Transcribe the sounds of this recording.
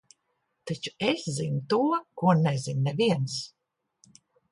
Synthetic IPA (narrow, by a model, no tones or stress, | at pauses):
t̪it͡ʃu̥eszinut̪uɔkuɔnɛzinːɛviɛns